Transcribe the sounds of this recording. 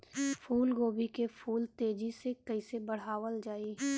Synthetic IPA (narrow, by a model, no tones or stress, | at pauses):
fʰuːlɡoːbʱikepʰuːlt̪eːd͡ʒisekɐɪsebɐɽ̤aːʋəld͡ʒaːi